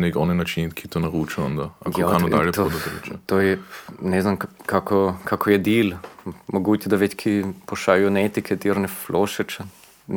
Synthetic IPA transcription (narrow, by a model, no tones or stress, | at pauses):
nekɔnɛnat͡ʃinkʰit̪onɐɾuːt͡ʃɐɔnd̪aa̰kakanod̪a̰ljɛpt̪od̪ɐt̪ɛlɛ̰t͡ʃɛt̪ojɛnɛznamkakɔkʰakʰɔjɛd̪iːlmoɡuːt̪ɛd̪aʋet̪kʰipoʃaːijɔnet̪ikʰɛd̪iɾnɛfloʃɛt͡ʃɛ